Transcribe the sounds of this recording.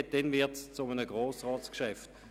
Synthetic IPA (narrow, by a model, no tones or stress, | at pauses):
t̚d̥ɛnvɪɐtst͡sʊmənəɡʁoːsʁɑːskʃɛft